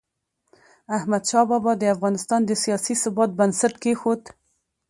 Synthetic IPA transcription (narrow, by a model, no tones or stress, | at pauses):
ahmad̪ʃɑbɑbɑd̪əafɣɑnɪst̪ɑnd̪əsijɑsisʊbɑt̪̚bansaʈkexot̪